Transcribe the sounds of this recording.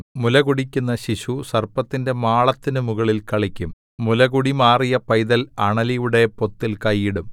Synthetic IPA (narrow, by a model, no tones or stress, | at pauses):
mulɐɣuɽikʲːunːɐɕiɕusɐrpɐt̪ːinde̞maːɭɐt̪ːinɨmuɣɐɭilkɐɭikʲːumː | ulɐɣuɽimaːrijɐpɐjðɐlɐɳɐlijuɽe̞po̞t̪ːilkɐjːiɽum